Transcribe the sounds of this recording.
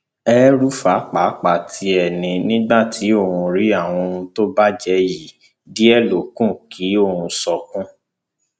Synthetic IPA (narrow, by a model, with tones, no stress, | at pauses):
ɛ˦ɾu˦fa˨˦k͡pa˨˦k͡pa˨tʰi˨˦ɛ˦˨nĩ˨nĩ˦ɡ͡ba˦˨ti˨˦o˦˨hũ˧ɾi˦a˦˨w̃ɔ̃˧ũ˧to˦ba˦d͡ʒɛ˧˦ji˨ | di˦ɛ˦˨lo˨kũ˦˨kʰi˨˦o˦˨hũ˧sɔ˧kũ˦